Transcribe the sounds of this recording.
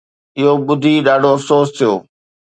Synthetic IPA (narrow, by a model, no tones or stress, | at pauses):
ɪɦoɓʊd̪ʱiɗaːɖʱoɐfsoːst̪ʰijoː